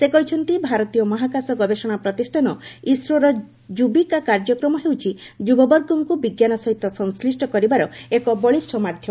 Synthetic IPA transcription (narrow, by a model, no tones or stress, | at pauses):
sekɔɦit͡ʃʰɔnt̪ibʱaɾɔt̪ijɔmɔɦakasɔɡɔbesɔɽ̃apɾɔt̪isʈʰanɔisɾɔɾɔ | d͡ʒubikakaɾd͡ʒɔkɾɔmɔɦewt͡ʃʰid͡ʒubɔbɔɾɡumkubiɡjanɔsɔɦit̪ːɔsɔŋslisʈɔkɔɾibaɾɔekɔbɔɭisʈʰɔmad̪ʱjɔ